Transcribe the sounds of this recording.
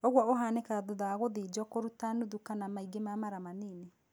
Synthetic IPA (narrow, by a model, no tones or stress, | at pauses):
oɣwɔoɦaːnekaðoðaɣoðed͡ʒɔkoɾutanuðukanamaiɡemamaɾamaneːne